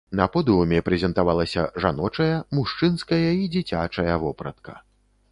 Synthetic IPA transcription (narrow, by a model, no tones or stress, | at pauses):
nɐpɔd̪umʲɛpɾɛzʲɛnt̪avalˠɐsʲɐʐanɔt͡ʂɐjɐmuʂt͡ʂɨnskɐjɐid͡zʲit͡sʲat͡ʂɐjɐvɔpɾɐ̰t̪̚kɐ